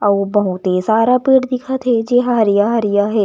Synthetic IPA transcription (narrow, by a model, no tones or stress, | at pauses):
ɐʋobɐɦũt̪esaːɾapiːɽd̪ɪkʰət̪ɦɛd͡ʒeːɦaɾijaɦɐɾijaɦɛː